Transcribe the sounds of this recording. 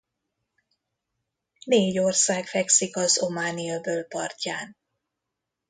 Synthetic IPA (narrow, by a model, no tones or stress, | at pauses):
neːɟo̞rsaːkfɛksikɒzo̞maːniɒbøːlpɒ̰rcaːn